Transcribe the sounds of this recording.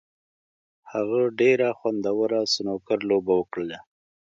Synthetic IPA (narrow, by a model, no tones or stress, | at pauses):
haɣaɖeɾaxwand̪awəɾasənokaɾlobawəkɽəla